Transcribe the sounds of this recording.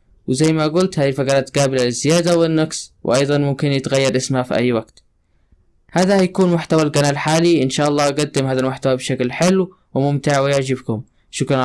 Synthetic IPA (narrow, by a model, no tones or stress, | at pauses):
wɪzajːmaɡʊlt̪haːðilfakɑɾˤɑːt̪ɡaːbɪlalɪzːɪjaːd̪awɪnːɑɡswɪ̰ʔɑjd̪ˤɑnmʊmkɪnjɪt̪ɣajːɑɾˤʔɪsmhafiʔa̰jːwaɡt̪ | haːd̪ahajakuːnmʊħt̪awalɡanaːlħaːliʔɪnʃaːʔɑlˤːɑːʔɡad̪ːɪmhaːðalmʊħt̪awabʃaklħɪlːw | wɪmʊmt̪ɪʕwɪjaʕd͡ʒɪbkʊm | ʃʊkɾˤɑn